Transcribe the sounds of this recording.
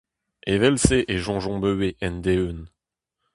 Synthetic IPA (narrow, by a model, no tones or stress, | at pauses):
evɛlseʔeʒɑ̃ʒɔ̃bøweʔɛnd̪eyn